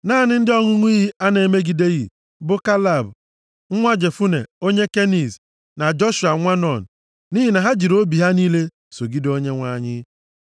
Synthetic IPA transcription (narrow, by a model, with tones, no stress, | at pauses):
naː˦˨nɪ˦n̩˦dɪ˦ɔ˦ŋʊ˦ŋʷ˦i˦ɦi˦a˦ne˨me˦ɡi˨de˦ɣḭ˨ | bʊ˦ka˦la˨b | ŋ̩˦ŋʷa˦d͡ʒe˨fu˦ne˨o˦ɲe˦ke˦ni˨z | na˨d͡ʒɔ˦ʃu˨a˨˦ŋʷa˦nɔ˨n̩˨ | ni˦ɦi˨na˨ɦa˦d͡ʒi˨ɾo˦bi˨ɦa˦ni˦le˦ | so˨ɡi˦do˦ɲe˦ŋʷa˨ɲɪ˦